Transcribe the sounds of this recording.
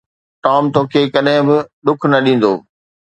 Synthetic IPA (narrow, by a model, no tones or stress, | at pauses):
ʈaːmt̪oːkʰeːkɐɗɦɪ̃bɪɗ̪ʊkʰnɐɗĩːn̆d̪oː